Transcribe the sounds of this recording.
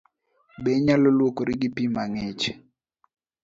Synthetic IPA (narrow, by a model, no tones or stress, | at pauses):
beɲalolwokoɾɪɡɪpimaŋet͡ʃ